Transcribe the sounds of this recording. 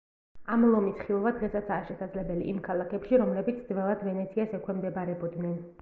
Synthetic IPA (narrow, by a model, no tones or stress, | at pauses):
amlˠɔmisχiɔvad̪ʁɛsat̪sʰaːʃɛsad̪zlɛbɛlḭʔimkʰalˠakʰɛpʃiɾɔmlɛbit̪sʰd̪zvɛlˠad̪vɛnɛt̪sʰiasɛkʰwɛmd̪ɛbaɾɛbɔd̪nɛn